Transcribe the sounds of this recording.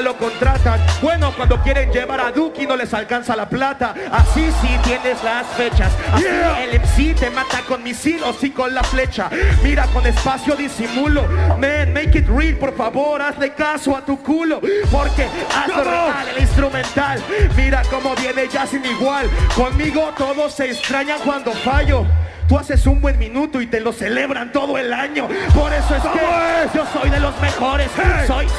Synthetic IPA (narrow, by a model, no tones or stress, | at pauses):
lo̞ko̞nt̪ɾat̪anbwe̞no̞kwand̪o̞kje̞ɾe̞nd͡ʒe̞βaɾaðukino̞le̞salkansalaplat̪aasisit̪je̞ne̞zlasfe̞t͡ʃasasielemsit̪e̞mãt̪aŋko̞nmisilo̞siko̞nlafle̞t͡ʃamiɾako̞ne̞spasjo̞ðisimulo̞menmejkit̪rilpo̞ɾfaβo̞ɾazle̞kasoat̪ukulo̞po̞ɾke̞asoɾalelinst̪ɾumẽ̞nt̪almiɾako̞mo̞βje̞ne̞ʝasiniɣwalko̞nmiɣo̞t̪o̞ðo̞sːe̞ːst̪ɾaɲaŋkwand̪o̞faʝo̞t̪uase̞sumbwe̞nmĩnut̪oit̪e̞lo̞se̞le̞βɾant̪o̞ðo̞e̞laɲo̞po̞ɾe̞so̞eseʝo̞so̞jðe̞lo̞zmexo̞ɾe̞ssoj